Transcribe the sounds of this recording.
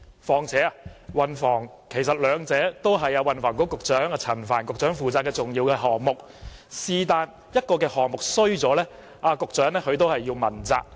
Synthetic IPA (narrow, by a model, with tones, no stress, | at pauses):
fɔː˨˩ŋt͡sʰɛː˨˥a˧wɐ˨nfɔː˨˩ŋ | kʰe˨˩jsɐ˨t̚lœː˨˧ŋt͡sɛː˨˥t̪o˥wɦɐ˨jɐː˧wɐ˨nfɔː˨˩ŋkɔː˨˥kʊ˨k̚t͡ʃœː˨˥ŋa˧t͡sʰɐ˨˩nfaː˨˩nkʊ˨k̚t͡ʃœː˨˥ŋfuː˨˧t͡saː˧kːɛː˧t͡sʊ˨ŋjiː˧wkɛː˧ɦɔː˨ŋ̚mʊ˨k̚ | siː˧t̪aː˨˧n | jɐ˥t̚kɔː˧kɛː˧hɔː˨˩ŋ̚mʊ˨k̚sɵ˥ɥt͡sɔː˨˥lɛː˥ | aː˧kʊ˨k̚t͡ʃœː˨˥ŋlɛː˥kɵ˨˧ɥt̪̬o˥whɐ˨jːi˧wmɐ˨˩nt͡sa̰ː˧k̚